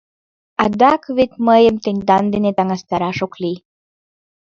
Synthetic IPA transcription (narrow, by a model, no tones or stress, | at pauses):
ɑd̪ɑkβet̪məjəmt̪ənʲd̪ɑnd̪enet̪ɑŋɑst̪ɑɾɑʃokli